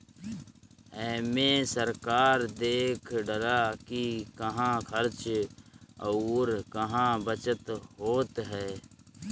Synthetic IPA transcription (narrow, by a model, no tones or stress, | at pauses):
ɛːmẽsəɾkaːɾd̪eːkʰɖəɾakikəɦãːkʰəɾt͡ʃ | ɾkəɦãːbət͡ʃət̪ɦoːt̪ɦɛː